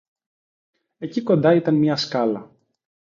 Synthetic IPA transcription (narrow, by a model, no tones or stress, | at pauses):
e̞ciko̞nd̪ɐit̪ɐnmɲɐskɐlɐ